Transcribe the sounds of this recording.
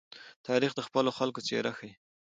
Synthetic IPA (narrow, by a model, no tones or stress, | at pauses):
t̪ʰɑɾixd̪əxpəloxalkot͡sḛɾaxəj